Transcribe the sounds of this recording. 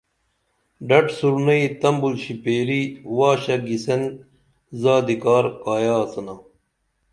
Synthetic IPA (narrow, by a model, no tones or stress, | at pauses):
ɖɐʈsuɾnɐit̪ɐmbulɕipeːliwaːɕɐɡisen | zaːd̪ikaːɾkaːjaːsɐnaː